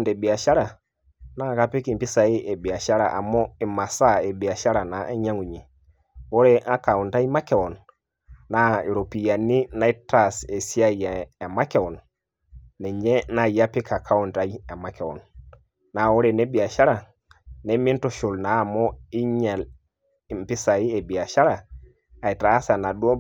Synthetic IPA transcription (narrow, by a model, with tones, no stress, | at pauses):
nde˨bi˨a˨ʃa˦ɾa˨ | na˦˨ka˦pi˦ki˨mpi˦sa˨i˦ʔe˨bi˨a˨ʃa˦ɾa̰˨ʔa̰˨mɔ˦i˨ma˨sa˦e˨bi˨a˨ʃa˦ɾa˨na˨e˦ɲa˦ŋu˨ɲi˨ | wɔ˦ɾɛ˦ʔa˦ka˨u˨nta˦i˦ma˦ke˨wɔ˨nː | a˦i˨ɾo˨pi˨ja˨ni˦na˦i˦ta˨se˨si˦a˦jaː˨ma˦ke˨wɔ˨nː | e˨ɲe˦na˦ja˦pi˦ka˨kʰa˦wu˨nta˦i˦e˨ma˦ke˨wo̰˨nː | a˨wo˦ɾe˨ne˦bi˨a˨ʃa˦ɾa˨ | ne˦mi˦nto˨ʃu˨lna˨˦˨mo˦i˦ɲe˨l | i˨mpi˦sa˨i˦e˨bi˨a˨ʃa˦ɾa˨ | a˨i˨ta˨˦sa˨na˨du˦o˦